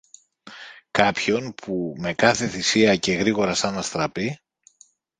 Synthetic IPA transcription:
kɐpço̞npʰume̞kɐθe̞θisiɐce̞ɣɾiɣo̞ɾɐsɐnɐst̪ɾɐpi

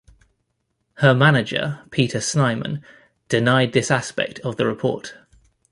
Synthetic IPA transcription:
həmanɪd͡ʒə̰pʰiˑtʰəsnaɪmə̰̃n | d̥ɪnaɪd̪̚ðɪsaspɛ̰k̚tʰəvðəɹɪpʰɔ̰ˑt

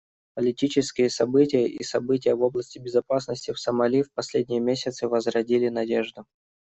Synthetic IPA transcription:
pəlʲɪtʲit͡ɕɪskʲɪjəsɐbɨtʲɪjəʔḭsɐbɨt̬ʲɪjəvo̞blˠəsʲtʲɪbʲɪzɐpasnəsʲtʲɪfsəmɐlʲifpɐsʲlʲedʲnʲɪjəmʲesʲɪt̪sɨvəzɾɐdʲilʲɪnɐdʲeʐd̪ʊ

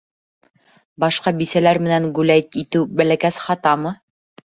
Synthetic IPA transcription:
bɑʃqɑbisælæɾmɘ̆næŋɡʉlæjt̪it̪ɘwbælækæsχɑt̪ɑmɤ

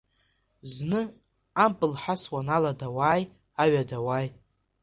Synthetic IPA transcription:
znɨ | ampʼɨlħaswanaladawaːj | aɥadawaːj

